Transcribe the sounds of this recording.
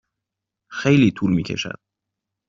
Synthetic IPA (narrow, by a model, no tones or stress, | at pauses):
xe̞jliːt̪ʰuːlmiːcʰe̞̰ʃæ̰d̪̥